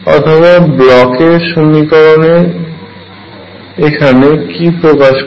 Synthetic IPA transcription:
ɔ̰t̪ʰobablɔkeɾʃomikɔɾoneɾ | ekʰanekipɾokaʃ

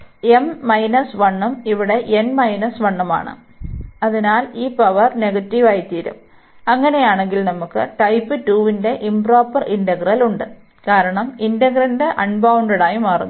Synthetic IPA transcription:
emːɐjnɐsʋɐɳːɐmiʋiɽe̞ʔenmɐjnɐsʋɐɳːɐma̰ːɳɨ̰ | ɐðinaːliːpɐʋɐrneɣɐtːiʋaːjit̪ːiːɾṵm | ɐŋːɐne̞jaːɳe̞ŋɡilnɐmukːɨ̰ʈɐjpːɨtuːʋinde̞ʔimpro̞ːpːɐrindɐɡrɐluɳɖɨ | kaːɾɐɳɐmindɐɡrɐndeʔɐnbɐwɳɖeɽaːjimaːrunː

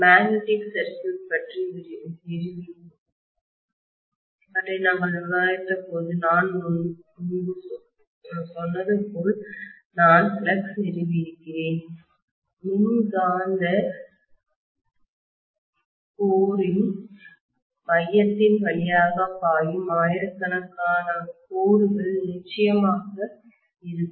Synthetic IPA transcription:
maːɡnɪʈɪksɐɾkɯspɐʈriɪɾɪɾɯʋɪ | pɐʈrɐnɐŋɡɐɭɯʋaːjɪʈrɐpːoːðɯnaːnʊn | ʊnbɯ | sɔnːɐðɯpːoːɭ | naːnfɪɭɐksnɪɾɯʋɪɾɯkːɪɾeːn | nɪnɡaːnd̪ɐ | koːɾɪn | ʋɐjːɐt̪ːɪnʋɐɭɪjaːɣɐpaːjɯmaːjɪɾɯkːɐnɐkːaːnɐkuːɾɯɣɐɭnɪt͡ʃːɐjɐmaːɣɐ | ɪɾɯkː

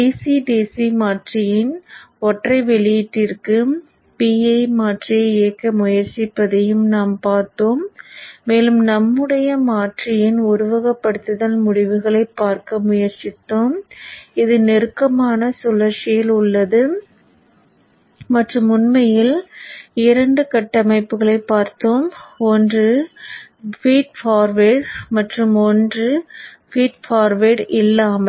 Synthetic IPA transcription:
iːsiɖiːsimaːʈrɪjɪnɔʈrɐɪʋɛɭɪjɪʈːɪrkɯ | piːɐɪmaːʈrɪjɐɪeːkːɐmʊjɐɾt͡ʃɪpːɐðɐjɯmnaːmpaːɾt̪oːmːeːlɯmnɐmːɯɽɐjɐmaːʈrɪjɪnʊɾʊʋɐɣɐpːɐɽɯt̪ːɯðɐlmʊɽɪʋɯɣɐɭɐɪpːaːɾkɐmʊjɐɾt͡ʃɪt̪ːoːmɪðɯnɛɾɯkːɐmaːnɐsʊlɐɾt͡ʃɪjɪlʊɭːɐðɯ | mɐʈrɯmʊnmɐjɪl | ɪɾɐɳɖɯkɐʈːɐmɐɪpːɯɣɐɭɐɪpːaːɾt̪ːoːmɔndrɯ | fiːʈ̚faːɾʋeɽmɐʈrɯmɔndrɯ | fiːʈfaːɾʋeːɽɪlːaːmɐl

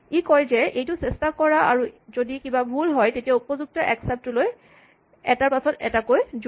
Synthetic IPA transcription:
ikɔjzɛʔejtʊsɛstakɔɹaa̰ɹuzodikibabʱulɦɔjtetijaupɔzuk̚tɔʔɛksɛp̚tʊloj | ɛ̰taɹpasɔtɛ̰takojz

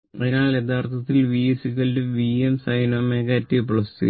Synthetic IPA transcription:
ɐðinaːɭe̞t̪ʰaːrt̪ʰɐt̪ːilʋiːsikːɐldeʋiemsɐjnoːmeːkːeɐtːipɭɐst̪ɨ̰

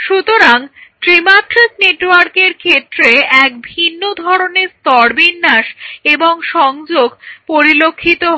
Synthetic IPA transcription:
ʃut̪oɾaŋʈɾimaʈɾesneʈwaɾkeɾkʰet̪ːɾeɛk̚bʱinːod̪ʱɔɾoneɾst̪ɔɾbinːaʃeboŋʃɔŋd͡ʑoɡpoɾilokʰːit̪o

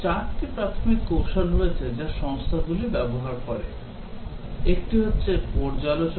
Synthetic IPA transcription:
t͡ɕaɾʈipɾat̪ʰomikːowʃonɾoet͡ɕʰed͡ʑaʃɔŋst̪ʰaɡulibɛboɦaɾkɔɾḛ | ek̚ʈiɦotːɕʰepɔɾd͡ʑalot͡ɕo

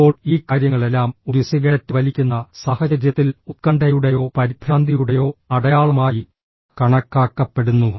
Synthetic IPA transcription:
o̞ːɭiːkaːɾjɐŋːɐɭe̞lːaːmuɾusiɣetːɨʋɐlikʲːunːɐsaːhɐd͡ʑɐɾjɐt̪ːilut̪̚kɐɳɖɐjuɽejo̞ːpɐɾib̪ʱɾaːnd̪ʱijuɽe̞jo̞ːɐɽɐjaːɭumaːji | kɐɳɐkːaːkːɐpːe̞ɽunːu

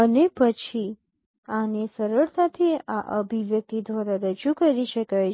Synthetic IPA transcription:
ənepət͡ʃʰi | anesəɾəɽt̪ʰat̪ʰia̰ʔəbʱiʋjək̚t̪id̪ʋaɾaɾəd͡ʒukəɾiʃəkaj

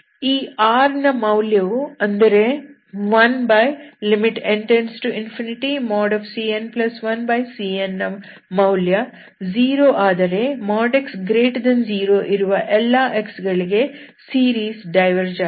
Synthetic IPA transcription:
iːaːɾnɐmɐwljɐʋuɐnd̪ɐɾe̞ | ʋɐnbɐjlimiʈeɳʈeɾɳɖsʈuinpʰiniʈimɔːɖɐfsiːenplɐsʋɐnbɐjsiːenːɐ | mɐwljɐ | ziːɾoːʔaːd̪ɐɾe̞mɔːɖeksɡɾeːʈd̪ɐnd͡ʒiːɾoːʔiɾuʋɐʔɛlːɐʔeksɡɐɭiɡe̞ | siːɾiːsɖɐjʋɐɾd͡ʒɐ

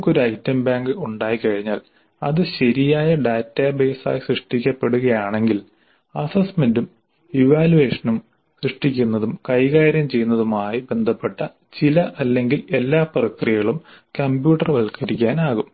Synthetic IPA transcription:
kːo̞ɾuɐjtːɐmbaːŋɡɨuɳɖaːjikɐɻiɲːaːl | ɐ̰ðɨɕɐɾijaːjɐɖaːtːabe̞ːsa̰ːjisrɨʂʈikʲːɐpːe̞ɽuɣɐjaːɳe̞ŋɡil | ɐsɐsmendum | iʋaːluʋe̞ːʂɐnum | srɨʂʈikʲːunːɐðumkɐjɣaːɾjɐmt͡ɕe̞junːɐðumaːjibe̞nd̪ʱɐpːe̞ʈːɐ | t͡ɕilɐʔɐlːe̞ŋɡile̞lːaːprɐkrijɣɐɭumkɐmbjuːʈːɐrʋɐɭkɐɾikʲːaːnaːɣum

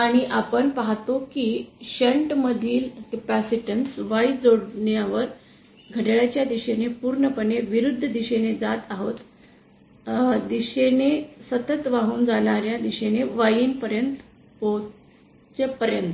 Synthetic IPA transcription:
aɽ̃iʔapəɳpaɦt̪okiːɕeɳʈməd̪ʱiːlkepæsiʈənsʋaid͡zoɽɳjaʋəɾ | ɡʱəɽɭjat͡ɕjad̪iɕenepuːɾɳəpəneʋiɾud̪ʱːəd̪iɕened͡zat̪aɦot̪ | d̪iɕenesət̪ət̪ʋaɦuːnd͡zaɽ̃aɾjad̪iɕeneʋajiːnpəɾjənt̪ | po | t͡sepəɾjənt̪

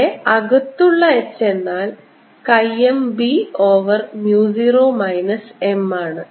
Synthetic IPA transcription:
ɐɣɐt̪ːuɭːɐet͡ɕːe̞nːaːl | kɐjembio̞ːʋɐrmjuːsiroːmɐjnɐse̞maːɳɨ

